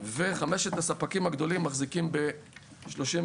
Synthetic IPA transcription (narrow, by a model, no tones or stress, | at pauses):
ve̞χame̞ʃet̪asapakimaɡd̪o̞limːaχzikimbe̞ | ʃlo̞ʃim